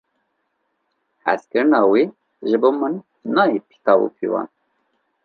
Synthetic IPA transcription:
hæ̰skɨɾnɑːwi | ʒɨboːmɨnː | ɑjipʰi̥t̪ɑwṵpʰiwɑ̰n

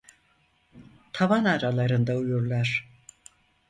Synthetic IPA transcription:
t̪ʰavanaɾalˠaɾɯnd̪aujuɾlˠaɾ̥

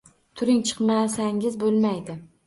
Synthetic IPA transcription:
t̪ʰʊɾɪŋt͡ʃʰɨ̥qmasaŋʲɪzbolˠmajd̪ɪ

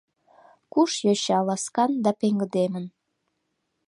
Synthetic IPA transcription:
kuʃjoɕɑlɑskɑnd̪ɑpeŋɡə̆d̪emən

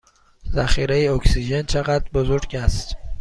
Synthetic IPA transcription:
zæxiːɾejeoksiʒent͡ʃʰeɣæt̪̚bozoɾɟæst̪

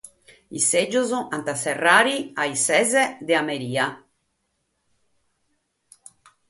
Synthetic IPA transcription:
ised͡ʒozoant̪aserːaːɾiajsɛzɛd̪eameɾiːa

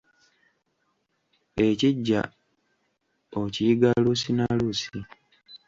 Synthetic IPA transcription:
e̞ciɟːa̰ | ociiɡalusinalusi

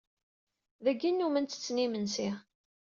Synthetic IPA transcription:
ðæɡːinːumənt̪ə̥t͡sːnimənsi

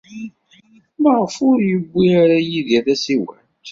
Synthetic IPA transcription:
məʁəfʊɾjəbːiaɾajiðæθæsiwæ̰nt̪

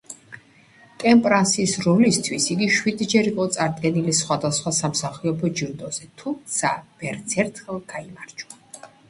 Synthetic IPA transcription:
kʼɛmpʼɾansisɾɔlist̪ʰwisiɡiʃwid̪d͡ʒɛɾiqʼɔt̪sʼaɾd̪ɡɛnilisχwad̪asχwasamsaχiɔpʰɔd͡ʒiɾd̪ɔz̥ɛt̪ʰumt̪sʰav̥ɛɾt̪sʰɛɾt̪ʰχɛlˠɡ̥aimaɾd͡ʒu̥a

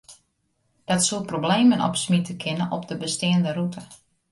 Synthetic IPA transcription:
d̥ɔtsuət̚probleːmənɔ̰psmitəkʰɪnənɔpdəbəstɪəndəɾutə

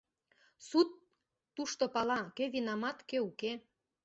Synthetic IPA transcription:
sut̪ː | uʃt̪opɑlɑkøβinɑmɑt̪køuke

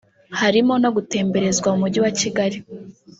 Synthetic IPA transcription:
haɾimo̞no̞ɡute̞ːmbe̞ɾe̞zɡwaumuɟiwaciɡaɾi

